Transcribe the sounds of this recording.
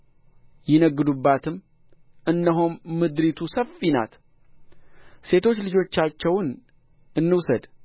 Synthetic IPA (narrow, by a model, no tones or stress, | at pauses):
jɪnəɡːɨd̪ubːat̪ʰɨm | ɨnːəɦomːɨd̪ɾit̪ʰusəfːina̰t̪ | se̞t̪ʰo̞t͡ʃːlɨd͡ʒo̞t͡ʃːat͡ʃːɛwn | ɨnːɨwsəd̪